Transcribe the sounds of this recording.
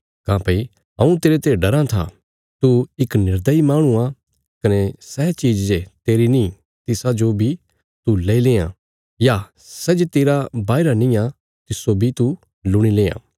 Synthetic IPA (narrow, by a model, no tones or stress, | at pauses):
kãːpɐi | ɐũt̪eːɾet̪eɖɐɾãt̪ʰa̰ | t̪uɪknɪɾd̪əimaːɽ̃ũa | kɐnesɛːt͡ʃiːd͡ʒd͡ʒet̪eːɾinĩ | t̪ɪsad͡ʒobʱi | t̪uleːileːã̰ | ja | sɛd͡ʒt̪eːɾabaːɪɾanĩa | t̪ɪsːobʱit̪u | lʊɽ̃ilẽːã̰ː